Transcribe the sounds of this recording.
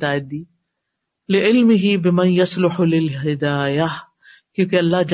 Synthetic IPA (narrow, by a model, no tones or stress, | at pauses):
aːjd̪iː | lɪʔɪlmɪɦibɪmɐnjɐslʊħʊlɪlɦɪd̪aːja | kjõːkeɐlːɑɦd͡ʒ